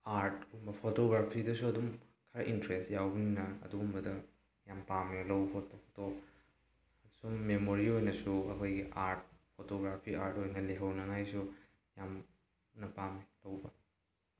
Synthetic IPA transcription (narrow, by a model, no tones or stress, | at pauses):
aɾtumbɐpʰotoɡɾapʰidɐsuɐdum | kʰɐɾɐʔintɾestjawbɐninɐɐ̰duumbɐdɐ | jampamjolɐwpʰot̚pɐpʰo̥to | summemoɾiojnɐsuɐkʰojɡiʔaɾt̚pʰotoɡɾapʰiaɾtojnɐleɦɐwnɐŋajsu | jam | nɐpamlɐwbɐ